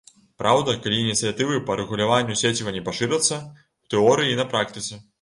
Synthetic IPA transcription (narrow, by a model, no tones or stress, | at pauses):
pɾʔawd̪ɐkalʲiːnʲit̪sɨjat̪ɨvɨpɐɾɨɣulʲavanʲːusʲet͡sʲivɐnʲɛpaʂɨɾɐt̪sːɐ | wt̪ɛɔɾɨjinɐpɾak̚t̪ɨt̪sɛ